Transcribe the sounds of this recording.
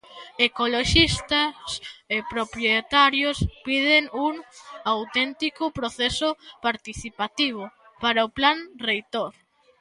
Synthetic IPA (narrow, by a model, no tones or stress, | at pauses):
ekoloʃist̪asepɾopɾjet̪aɾjospið̞eŋuŋawt̪ɛnt̪ikʊpɾoθesʊpaɾt̪iθipat̪iβ̞ʊ | paɾaoplaŋrejt̪oɾ